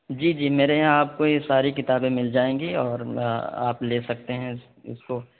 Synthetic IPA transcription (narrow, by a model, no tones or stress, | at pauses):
d͡ʒiːd͡ʒiːmeːɾeɦãaːp̚kojesaːɾikɪt̪aːbẽmɪld͡ʒaːẽːŋɡiɔːɾa̰ːpleːsɐk̚t̪eɦɛ̃ | ɪ̰sko